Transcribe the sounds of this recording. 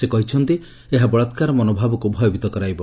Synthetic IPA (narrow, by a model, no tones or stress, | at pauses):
sekɔɦit͡ʃʰɔnt̪i | eɦabɔɭɔt̪kaɾɔmɔnobʱabɔkubʱɔjobit̪ɔkɔɾajbɔ